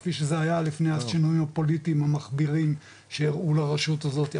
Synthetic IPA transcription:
fiʃezeajalifneaʃinujimapo̞litimamaχbiʁim | ʃeiʁulaʁeʃutazo̞t̪i

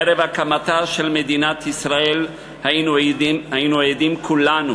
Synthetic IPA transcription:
eɾevakamat̪aʃelmed̪inat̪isʁael | hanhainuejd̪imkʰulanu

